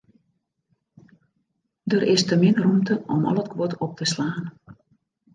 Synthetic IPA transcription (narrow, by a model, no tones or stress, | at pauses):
dərʔɪstəmɪnrumtəɔ̰mɔ̰lˠətkʰʋɔtɔp̚tʰəslaːn